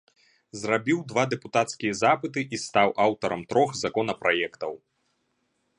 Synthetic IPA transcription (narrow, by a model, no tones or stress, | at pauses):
zrabʲiwd̪vad̪ɛput̪at̪skʲijɐzapɨt̪ɨʔist̪awʔawt̪ɐɾɐmt̪ɾɔxzakɔnɐpɾajɛkt̪ɐw